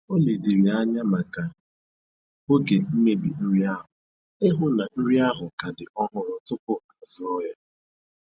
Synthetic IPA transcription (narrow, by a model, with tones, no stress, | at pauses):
o˦li˨zi˨ɾi˨a˦ɲa˦ma˨ka˨ | ho˦ɡe˨m̩˦me˦bi˨n̩˦ɾi˦a˦ɦʊ˨ | e˦ɦʊ˦na˨n̩˦ɾi˦a˦ɦʊ˨ka˨dɪ˨ʔɔ˦ɦʊ˦ɾʊ˦tʊ˦kʊ˦a˨zʊ˦ɔ˦ja˦